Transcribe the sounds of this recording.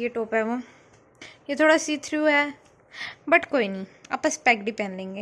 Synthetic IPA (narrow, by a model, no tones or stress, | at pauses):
jeʈoːpɦɛːʋõː | jeːt̪ʰoːɽasiːt̪ʰɾuːɦɛː | bəʈkoːiːnĩːɐ̰pːə̃spɛːkɖɪpɛ̃ːnɖlẽːŋɡeː